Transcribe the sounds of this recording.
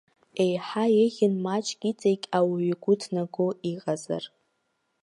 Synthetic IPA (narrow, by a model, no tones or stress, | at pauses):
e̞jħajɪɣʲɪnmat͡ʃʼɡʲit͡sʼejkʲʼawɥiɡʷʊtʰnaɡʊiqʼaza̰r